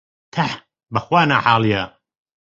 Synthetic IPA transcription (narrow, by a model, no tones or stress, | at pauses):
t̪ʰaħ | bɐxwaːnaħaːlˠijɐ